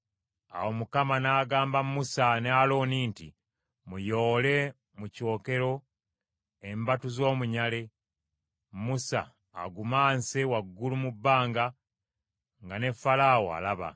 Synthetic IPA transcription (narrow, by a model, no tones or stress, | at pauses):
a̰womukamanaːɡaːmbamusanealo̞ːniːntḭ | mujo̞ːle̞ | muco̞ːke̞ɾo̞ | embatuzo̞ːmuɲale̞ | musa̰ː | ɡumaːnsewaɡːulumubːaːŋɡa | ŋɡane̞fːalaːwoa̰laβa̰